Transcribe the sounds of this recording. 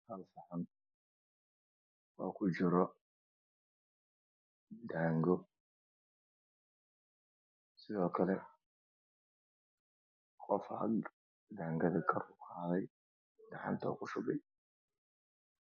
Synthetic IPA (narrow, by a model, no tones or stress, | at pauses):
hɐlfɑʕɐn | ɔːkʰʊt͡ʃɪɾɔ | d̪aːŋɡɔ | sɪðɔːkʰɐlɛ | qʼɔfɐ̰ɡ | d̪aːŋɡɐðɐkʰɐrʊqɑːðɛj | ɖɑʕɑ̰nt̪ʰɔ̰kʰʊʃʊbɛj